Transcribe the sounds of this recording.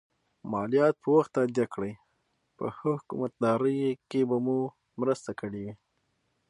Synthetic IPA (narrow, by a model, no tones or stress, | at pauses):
mɑlijɑt̪̚pəwaxt̪ːad̪jakɽəj | pə̰xəhʊkṵmat̪̚d̪ɑɾəjkebamu | mɾəst̪akəɽiwi